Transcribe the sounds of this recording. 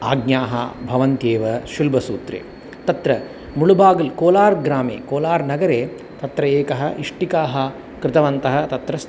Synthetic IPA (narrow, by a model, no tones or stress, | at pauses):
a̰ːɡɲaːɦɐ̰bʱɐʋɐnt̪eːʋɐʃulbʱɐsuːt̪ɾḛː | t̪ɐt̪ɾɐ | muɭubaːɡɐlkoːlaːɾɡɾaːmḛːkoːlaːɾnɐɡɐɾeː | t̪ɐt̪ɾɐeːkɐɦɐ̰ʔiʂʈikaːɦɐ̆ | kɾɪt̪ɐʋɐnt̪ɐɦɐ̆t̪ɐt̪ɾɐs